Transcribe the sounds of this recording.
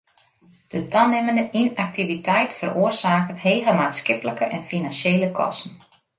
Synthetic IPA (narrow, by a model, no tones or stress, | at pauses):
d̥ətanɪməndəʔinak̚tivitʰɛjtfəroərsaːkətheːɣəmaːtskɪpələkəʔɛnfinansjeːləkʰɔ̰stn̩